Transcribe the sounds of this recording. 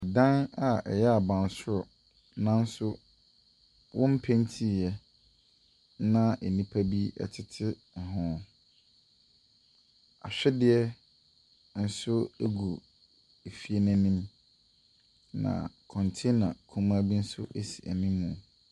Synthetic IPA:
ɛ˨dã˦na˨ʔɛ̰˨jɛ˦a˨bã˨n˨sʊ˦ɾɔ˨ | nã˦n̩˦sʊ˦ | wʔɔ̃˦m̩˦pʰɛ̃˦n˦tʰi˦˨jɛ˦ | nã˦ʔɛ˨nĩ˦pʰa˦bi˦ɛ̰˨tʰɪ˨tʰɪ˦˨ | ɦʊ̃˦ | a̰˨ɕᶣɛ˦dɪ˦ɛ˦ | n̩˦sʊ˦e˦ɡu˨ | e˨fi˦e˦næ̃˦nĩ˦m | nã̰˨kʰɔ̃˨ntʰe˦nã˨kʰũ˦mã˦bi˦n̩˦sʊ˦ʔe˨si˨ʔæ̰˨nĩː˦ũ˨

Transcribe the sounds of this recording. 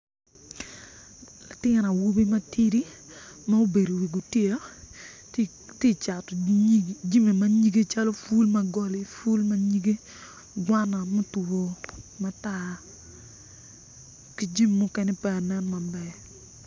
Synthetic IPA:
la˨tɪ˦ŋɾa˨wu˦bi˦ma˦ti˦ɾi˦ma˦o˦be˨ɾo˨wi˨ɡo˨tje˦ | ti˦t͡ʃa˨tɔ˨d͡ʒi˦me˨ma˨˦ɲi˦ɡe˦t͡ʃa˦lɔ˦fu˦lma˨ɡɔ˦li˨fu˦lma˦ɲi˦ɡe˦ | ɡwa˦na˨mo˦to˨ma˦ta˦ | ki˦d͡ʒi˦mː˨ɔ˦kɛ˦nɛ˦pɛ˦a˨nɛ˦nma˨bɛ˨

